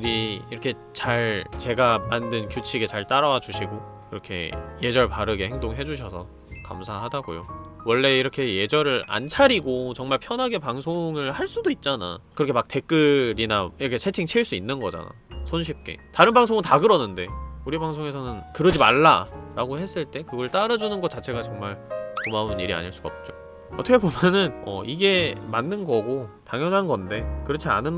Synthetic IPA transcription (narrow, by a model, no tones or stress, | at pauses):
uɾiːɾʌkʰe̞ | t͡ɕaɭt͡ɕe̞ɡamandɯnkjut͡ɕʰiɡe̞t͡ɕaɭt͈aɾʌwad͡ʑuɕʰiɡo | kiɾʌkʰe̞̰je̞d͡ʑʌɭpaɾɯɡe̞he̞ŋdoŋɦe̞d͡ʑuɕ̬ʰʌsʰʌ̰ | ka̰msʰaɦadaɡo̰jo̰wʌɭːe̞iɾʌkʰe̞je̞d͡ʑʌɾɯɾa̰nt͡ɕʰaɾiɡot͡ɕʌŋmaɭpʰjʌnɦaɡe̞paŋsʰoŋɯɭhaɭs͈udoit̚t͡ɕ͈ana̰kɯɾʌkʰemak̚t͈e̞k͈ɯɾinaiɾʌkʰet͡ɕʰetʰiŋt͡ɕʰiɭs͈uinːɯnɡʌd͡ʑa̰na̰ | sʰonɕ̬ʰip̚k͈e̞̰taɾɯnbaŋsʰoŋɯntaɡɯɾʌnːɯnde̞uɾibaŋsʰoŋe̞sʰʌnɯnkɯɾʌd͡ʑima̰ɭːa̰ɾaɡohe̞s͈ɯɭt͈e̞kɯɡʌɭt͈aɾad͡ʑunɯnɡʌt̚t͡ɕ͈at͡ɕʰe̞ɡat͡ɕʌŋmaɭkomauniɾia̰ɲiɭs͈uɡʌp̚t͡ɕ͈o | ʌtʰʌkʰe̞bomjʌnɯnʌ̰iɡe̞manːɯnɡʌɡotaŋjʌnɦanɡʌnde̞kɯɾʌt͡ɕʰia̰nɯn